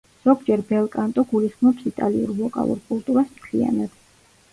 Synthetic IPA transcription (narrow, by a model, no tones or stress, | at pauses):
z̥ɔɡd͡ʒɛɾbɛlˠkʼant̪ʼɔɡulisχmɔpsit̪ʼaliṵɾlɔkʼa̰lˠṵɾkʼulˠt̪ʼuɾasmt̪ʰlḭa̰nad̪̥